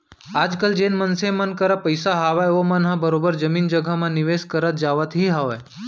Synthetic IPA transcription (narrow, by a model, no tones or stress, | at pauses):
aːd͡ʒkəld͡ʒeːnmənsemənkəɾapəjsaɦaʋajʋomənɦãbəɾobəɾd͡ʒəmiːnd͡ʒəɡʱəmãnɪʋeːskəɾət̪̚d͡ʒaːʋət̪ɦiɦaʋaj